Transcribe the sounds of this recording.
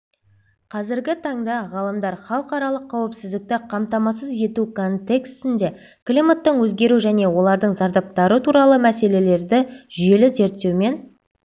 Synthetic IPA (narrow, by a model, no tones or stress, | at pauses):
qʰɑzɪɾɡʲɪt̪ʰɑɴd̪ɑʁɑlˠəmd̪ɑɾχɑlˠəqɑɾɑlˠəqʰːɑwɪpsɪzd̪ɪk̚t̪ɪqʰɑmt̪ɑmɑsəzje̞t̪ukʰo̞nt̪e̞kst̪ɪnd̪e̞ | klʲimat̪ːəɴwɵzɡʲe̞ɾuʒæne̞wo̞lˠɑɾd̪əɴzɑɾd̪ɑp̚t̪ɑɾət̪ʰuɾɑlˠəmæse̞le̞le̞ɾd̪ɪʒʏje̞lɪze̞ɾt̪ːe̞wme̞n